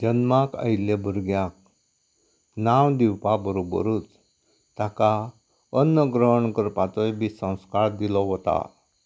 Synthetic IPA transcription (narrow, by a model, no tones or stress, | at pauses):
d͡ʑənmakə̰jlebʱəɾɡjak̚ | nawd̪iwpabəɾobə̰ɾut͡s | t̪aka | ənːəɡɾəɦəɳkəɾpat̪əjbisə̃w̃skaɭd̪ilɔɦɔt̪a̰